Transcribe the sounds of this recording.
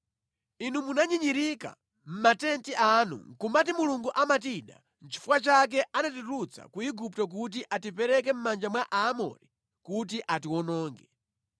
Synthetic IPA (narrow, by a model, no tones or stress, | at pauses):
inumunaɲiɲiɾika̰ | m̩matɛntiʔanṵŋ̩kumat̬imuluŋɡuʔamatiɗa | n̩t͡ʃʰi̥fuwat͡ʃak̬ɛʔanatiɾut͡sʰa̰kuiɡuptɔk̬ut̬iʔatipɛɾɛkɛm̩mand͡ʒamwaʔaːmɔ̰ɾi | kut̬iʔatiwɔnɔːŋɡɛ